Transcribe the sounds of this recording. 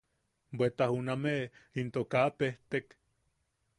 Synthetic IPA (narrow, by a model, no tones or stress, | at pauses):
bʷet̪ahunameint̪okapeht̪ek